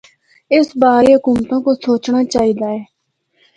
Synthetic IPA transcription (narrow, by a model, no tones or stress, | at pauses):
ɪsbaːɾiːɦʊkuːmt̪õːkosoːt͡ʃnaːt͡ʃaːɦiːd̪aːɛː